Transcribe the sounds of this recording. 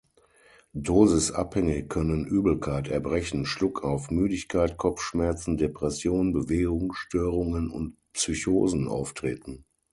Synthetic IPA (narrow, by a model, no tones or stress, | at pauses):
doːzɪsa̰phɛŋəkʰœnənʔyːbl̩kʰaɪtɛɐbʁɛçn̩ʃlʊkʰaʊfmyːdɪçkʰaɪtkʰɔp͡fʃmɛɐt͡sn̩depʁ̥ɛsjoːnbəveːɡʊŋʃtøːʁʊŋənʊ̰nt | psyço̰ːzn̩ʔa̰ʊftʁ̥eːtn̩